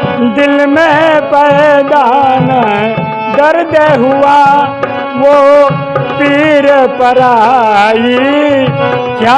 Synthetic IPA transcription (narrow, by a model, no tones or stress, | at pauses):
d̪ɪlmẽpɛd̪anə | d̪ɐɾd̪eɦʊʋa | ʋo | piːɾpɐɾa | i | ka